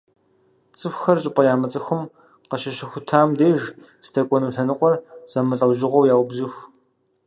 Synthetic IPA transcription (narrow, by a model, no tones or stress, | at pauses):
t͡sʼɨxʷxɐrɕʼɪqʷʼɐjaːmɐt͡sʼɐxʷʊm | qɐʃɐʃɪxʷʊtʰaːmdeːʒ | stʰɐkʷʼɔnuɬɐnɨqʷʼɔrz̥ɐmɨɬʼɐwʒɪʁʷɔwjaːwʊbzɨxʷ